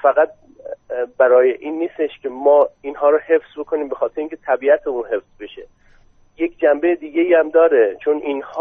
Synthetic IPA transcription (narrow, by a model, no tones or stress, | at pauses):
fæɣæt̪̚ | bæɾɒːjeʔiːnːiːst̪eʃkʲʰe̞mɒːinɦɒːɾɔhe̞fsbo̞kʰo̞niːmbexɒːt̪eɾeiŋkʲʰet̪ʰæbiːæt̪ʰeuːnɦe̞fsbe̞ʃe̞ | jekʰd͡ʒæmbejed̪iːɡʲe̞iːæmd̪ɒːɾet͡ʃʰo̞niːnhː